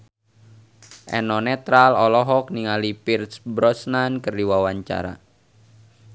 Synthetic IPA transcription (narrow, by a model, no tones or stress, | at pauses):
ʔɛ̰nɔnɛt̪ɾalɔlɔɦɔk̚niŋalipirsbɾɔsnankərdiwawaɲt͡ʃa̰ɾa̰